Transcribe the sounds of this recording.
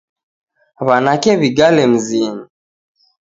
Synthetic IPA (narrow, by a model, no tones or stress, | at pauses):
βanakɛβiɡalɛm̩zini